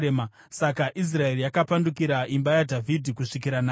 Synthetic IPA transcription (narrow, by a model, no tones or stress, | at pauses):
ema | sakaʔis̬rae̞rijakapandukiɾaʔimbajadʱavʱidʱikuʂik̬iɾanaː